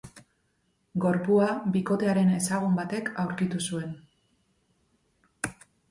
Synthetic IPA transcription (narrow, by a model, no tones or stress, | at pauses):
ɡo̞ɾpuaβiko̞t̪e̞aɾe̞ne̞saɣ̞umbat̪e̞kawɾkit̪usue̞n